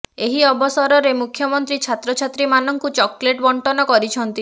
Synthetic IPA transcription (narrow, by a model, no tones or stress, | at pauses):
eɦiɔbɔsɔɾɔɾemukʰjɔmɔnt̪ɾit͡ʃʰat̪ɾɔt͡ʃʰat̪ɾimanɔŋkut͡ʃɔkleʈbɔɳʈɔnɔkɔɾit͡ʃʰɔnt̪i